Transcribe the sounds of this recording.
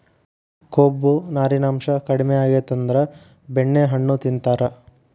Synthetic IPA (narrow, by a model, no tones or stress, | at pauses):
koːbːunaːɾinaːmʃɐkɐɽimejaːɡeːt̪ɐnd̪ɐɾɐ | beɳːeɦɐɳːut̪int̪aːɾɐ